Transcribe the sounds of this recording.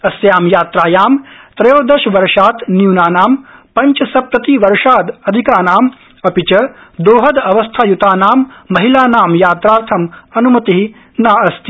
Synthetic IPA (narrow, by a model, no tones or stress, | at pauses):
ɐsjaːmjaːt̪ɾaːjaːmt̪ɾɐjoːd̪ɐʃʋɐɾʂaːt̪njuːnaːnaːmpɐɲt͡ʃɐsɐpɾɐt̪iʋɐɾʂaːd̪ɐd̪ʱikaːnaːm | ɐpit͡ʃɐd̪oːɦɐd̪ɐʋɐst̪ʰaːjut̪aːnaːmːɐɦilaːnaːmjaːt̪ɾaːɾt̪ʰɐmɐnumɐt̪iɦi | naːɐst̪i